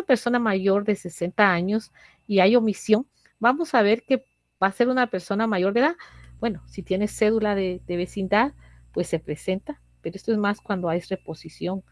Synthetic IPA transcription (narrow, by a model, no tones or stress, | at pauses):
ape̞ɾso̞namaʝo̞ɾðe̞se̞se̞nt̪aaɲo̞s | iajo̞misjo̞n | bamo̞saβe̞ɾke̞ | b̥ase̞ɾunape̞ɾso̞namaʝoɾðe̞ðaðbwe̞no̞sit̪je̞ne̞sːe̞ðulaðeðe̞βe̞sind̪að | pwe̞sːe̞pɾe̞se̞nt̪a | peɾoest̪oe̞zmaskwand̪oajre̞po̞sisjo̞ŋ